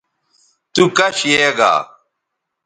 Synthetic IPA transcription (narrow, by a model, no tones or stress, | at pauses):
t̪ukɐɕjeːɡa̰ː